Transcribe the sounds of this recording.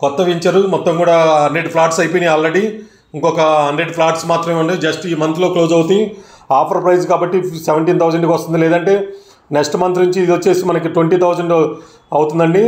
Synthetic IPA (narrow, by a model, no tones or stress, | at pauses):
kɔt̪ːɐʋiɲt͡ʃɐɾumɔt̪ːɐmkuːɽaːɦɐnɖɾe̞ɖpʰlaːɾʈsɐjpojniaːlɾeɽi | iŋkɔkɐɦɐɳɖɾe̞ɖpʰlaːɾʈsmaːt̪ɾɐmeɐɳɖeːd͡ʒɐsʈiːmɐnt̪lo̞ːklo̞ːd͡ʒɐwut̪ij | aːpʰɐɾpɾɐjd͡ʒkaːbɐʈːiseʋeɳʈiːnt̪ʰɐwd͡ʒɐɳɖkʋɐst̪und̪ilɛːd̪ɐɳʈe̞ː | neksʈmɐnt̪̬unuɲt͡ʃiːd̪ʋot͡ʃːe̞ːsimɐnɐkiʈʋeɳʈiːt̪ʰɐwd͡ʒɐɳɖ | ɐwut̪und̪ɐɳɖi